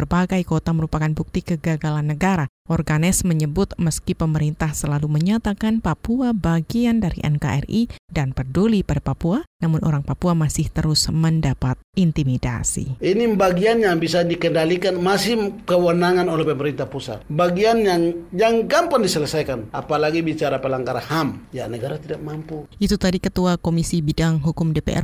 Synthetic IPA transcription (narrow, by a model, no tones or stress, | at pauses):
ərbaɡajkot̪aməɾupakanbuk̚t̪ikəɡaɡalanːəɡaɾa | ʔɔrɡanɪsməɲəbʊt̪̚məskipəməɾint̪ahsəlaluməɲat̪akanpapuabaɡiandaɾḭʔɛ̰nka̰ʔɛ̰ridanpərdulipadapapuanamʊnʔo̰ɾaŋpapuamasɪht̪əɾʊsməndapat̪̚int̪imida̰sḭinibaɡianjaŋbisadikəndalikanmasɪhkəwənaŋanolɛhpəməɾint̪apusa̰t̪̚baɡianjaŋjaŋɡampandisələsajkanapalaɡibit͡ʃaɾapəlaŋɡaɾahamjanəɡaɾat̪idak̚mampuʔit̪ut̪adikət̪uakomisibidaŋɦukʊmdepḛʔɛ̰r